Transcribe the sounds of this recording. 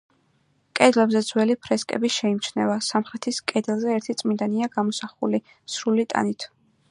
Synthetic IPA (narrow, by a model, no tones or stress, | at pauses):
kʼɛd̪lɛbzɛd̪z̥wɛlipʰɾɛskʼɛ̰biʃɛimt͡ʃʰnɛvasamχɾɛt̪ʰiskʼɛd̪ɛlˠzɛːɾt̪ʰit̪sʼmind̪aniaɡamɔsaχuli | sɾulit̪ʼa̰nit̪ʰ